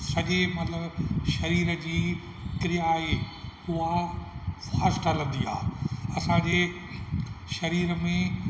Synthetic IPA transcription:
sɐʄemɐt̪ləbʃɐɾiːɾəd͡ʑiː | kɪɾijaɦeːua | faːsʈɐlə̃nd̪iːa̰ːɐsãːɲd͡ʑeː | ʃɐɾiːɾəmẽ

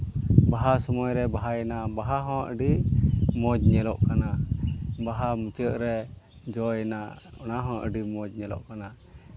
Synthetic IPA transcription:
baɦasɔmɔjɾɛbaɦajɛnabaɦaɦɔ̃ʔə̰ɖiʔmɔd͡ʒ̚ɲɛlɔʔkana | baɦamut͡ʃəʔ̚ɾɛ | d͡ʒɔjɛnaʔɔnaɦɔ̃ʔə̰ɖimɔd͡ʒ̚ɲɛlɔ̰ʔkana

